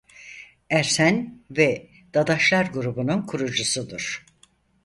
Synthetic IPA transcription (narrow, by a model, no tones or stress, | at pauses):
æɾsænvɛ | d̪̥ad̪aʃlˠaɾɡuɾubununkʰuɾud͡ʒusud̪uɾ̥